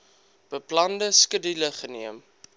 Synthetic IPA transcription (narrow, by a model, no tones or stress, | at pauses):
b̥əplɐndəskədiləχəniəm